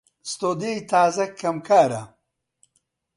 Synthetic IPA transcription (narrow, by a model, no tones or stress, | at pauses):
st̪oːd̪ejt̪ʰaːzɐkʰːɐmkʰaːɾɐ̰